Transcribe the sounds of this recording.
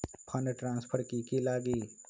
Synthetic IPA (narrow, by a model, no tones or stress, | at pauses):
pʰəneʈɾãːnspʰəɾkikilaːɡi